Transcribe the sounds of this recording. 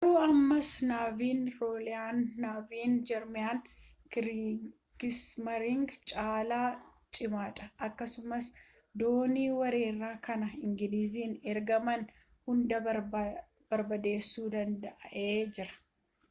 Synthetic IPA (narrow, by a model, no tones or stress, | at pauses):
ɾuːɐmːɐsnaːviːnɾoːlɪjaːnːaːviːnd͡ʒɛɾmɪjaːn | ɡɪsmɐɾɪŋɡt͡ʃʼaːlaːt͡ʃʼɪmaːt̪ʼɐʔɐkːɐsʊmɐs | d̪oːniːwɐɾe̞ːrːaːkɐnɐɪŋɡɪliːziːnɛɾɡɐmɐn | hʊnd̪ɐ | b̥ɐɾbɐd̪e̞ːsːuːd̪ɐnd̪ɐʔɐʔeeːd͡ʒɪɾɐ̥